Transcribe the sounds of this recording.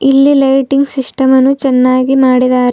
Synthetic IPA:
ilːilɐjʈiŋɡsisʈɐmɐnːut͡ʃɛnːaːɡimaːɽid̪aːɾ

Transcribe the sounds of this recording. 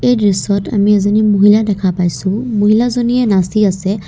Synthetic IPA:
eɾisɔɾʈɐ̰mĩɐzənimʊɦiladɐkʰapaːjsũmʊɦilazonienasiase

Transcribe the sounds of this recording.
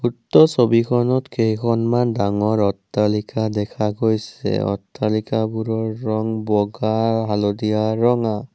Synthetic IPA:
utːɔsobikʰɔnɔtkejkʰɔnmandaŋɔɹɔtːalikʰadɛkʰaɡojsɛ̰ɔ̰tːalikabuɾɔɹːɔŋbɔɡaalɔdijaɹɔŋa

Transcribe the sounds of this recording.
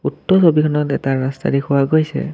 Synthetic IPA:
utːɔsobikʰɔnɔtɛtaɹasta̰dekʰʊwaɡojsɛ̰

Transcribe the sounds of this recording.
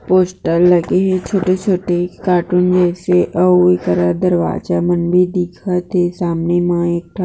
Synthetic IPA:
poːsʈəlːɐɡeɦɛt͡ʃʰoːʈet͡ʃʰoːʈekaːʈund͡ʒɛːseʔəoekəɾad̪əɾʋa̰ːd͡ʒamənbed̪ikʰat̪ʰesaːmnemãeːk̚ʈʰa

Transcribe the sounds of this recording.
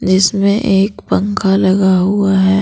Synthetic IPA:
d͡ʒɪsmẽʔeːkpə̃ŋkʰalɐɡaɦuaɦɛː

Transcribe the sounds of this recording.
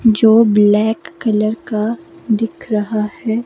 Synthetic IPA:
d͡ʒoːblɛːkːɐləɾkad̪ɪkʰɾɐɦahɛː

